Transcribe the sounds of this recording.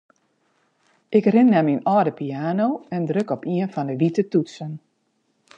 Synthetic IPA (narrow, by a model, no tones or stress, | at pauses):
ʔɪkrɪnːɛminɔdəpiaːnoːɛndrøkɔpiənfɔndəʋitətutsən